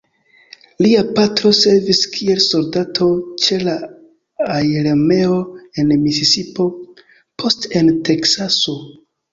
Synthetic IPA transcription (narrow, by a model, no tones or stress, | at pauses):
liapatɾo̞se̞ɾviskʰie̞lso̞ldatʰo̞t͡ʃe̞la | ajɾeme̞o̞e̞nmisisipo̞ | pʰo̞ste̞nte̞ksaso̞